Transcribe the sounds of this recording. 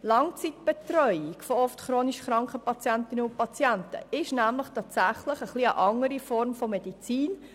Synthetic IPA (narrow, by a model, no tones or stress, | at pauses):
lɑŋt͡sitb̥ɛt̪ɾœʏiɡfoɔftχɾoːniʃχɾɑŋkχəpɑt͡sjæntɪnəʊn̚pɑt͡sjæntə̰ɪʃnæmləχtʰɑːtsæχləχəχliəʔɑŋəɾifɔɾmfomed̥it͡siːn